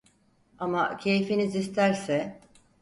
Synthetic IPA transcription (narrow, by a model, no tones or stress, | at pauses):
amacʰe̞jfinizist̪ʰæɾsɛ